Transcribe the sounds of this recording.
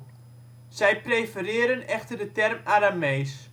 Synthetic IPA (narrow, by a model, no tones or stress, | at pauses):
sɛjprejfərɪəɾənɛxtərdətɛrmaɾamejs